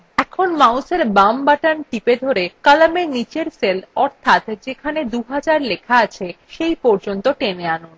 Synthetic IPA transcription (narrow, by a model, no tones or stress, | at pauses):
ɛkʰonmawseɾbambaʈanʈiped̪ʱoɾekalamenit͡ɕeɾselɔɾt̪ʰat̪d͡ʑekʰaned̪uɦad͡ʑaɾlekʰaat͡ɕʰeʃejpɔɾd͡ʑont̪oʈeneanon